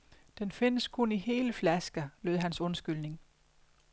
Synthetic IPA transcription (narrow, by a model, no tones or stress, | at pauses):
d̥enfe̝nəskʰunihe̝ːləflæsɡ̥ɐløðˠɦænsɔ̽nsɡ̥ylne̝ŋ